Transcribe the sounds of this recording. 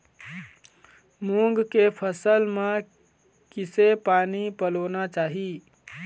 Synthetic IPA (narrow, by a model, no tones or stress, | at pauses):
muŋɡkepʰəsəlme | kisepaːnipəlonat͡ʃaːɦi